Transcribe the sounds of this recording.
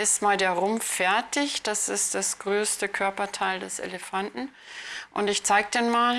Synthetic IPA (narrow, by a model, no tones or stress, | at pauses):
ɪstmaːldeːɐʁʊmffːɛɐtɪçd̥asɪstd̥asɡ̥ʁøːstəkʰœɐpɐtʰaɪldɛsḛləfantn̩ | ʔʊntɪçt͡saɪɡ̚əd̥enmaːl